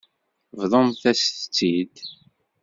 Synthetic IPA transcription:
vðˤomθæsθt͡sːid̪

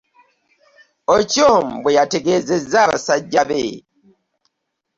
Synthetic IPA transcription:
ocom̩bwejateɡezezaβa̰saɟːaβḛ

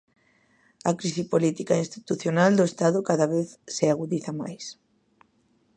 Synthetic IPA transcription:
akɾisipolit̪ikainst̪it̪uθjonald̪oest̪aðokaðaβeθseaɣuðiθama̰js

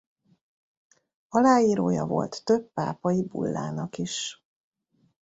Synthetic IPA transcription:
ɒlaːjiːɾoːjɒvo̞lt̪ːøbːaːpɒjibṵlːa̰ːnɒkiʃ

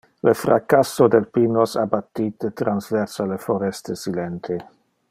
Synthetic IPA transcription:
lefɾʔa̰kasːod̪elpinosabat̪ːit̪et̪ɾanzvɛɾsalefoɾɛst̪esilɛnt̪ʰe

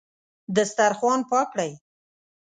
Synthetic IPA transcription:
d̪əst̪aɾxwɑnpɑkɽaj

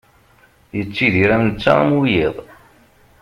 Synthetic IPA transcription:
jət͡sːiðiɾæmnt͡sːæ̰æ̰mujeðˤ

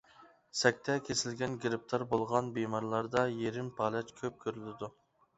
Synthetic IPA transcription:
sɛkʲt̪ʰɛkʲʰesɪlɡʲɛnɡʲiɾɪp̚t̪ʰɑɾbolˠʁɑnbijmɑɾlˠɑɾd̪ɑjeɾɪmpʰɑːlˠɛt͡ʃ̪kʲʰøp̚kʲʰøɾylɪd̪u

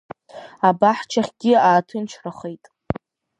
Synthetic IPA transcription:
abaħt͡ʃʰaχʲɡʲɪaːtʰɨnt͡ʃʰraχejtʼ

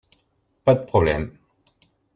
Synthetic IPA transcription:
pad̪əpχɔblɛm

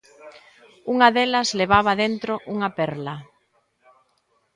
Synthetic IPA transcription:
uŋɐðelɐzleβ̞aβ̞aðent̪ɾoʔuŋɐpɛɾla

